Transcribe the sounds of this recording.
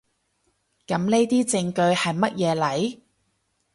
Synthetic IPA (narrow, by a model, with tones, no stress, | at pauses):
kɐ˨˥mne˥jt̪iː˥t͡sɪ˧ŋkɵ˧ɥhɐ˨jmɐ˥t̚jɛː˨˧lɐ˨˥j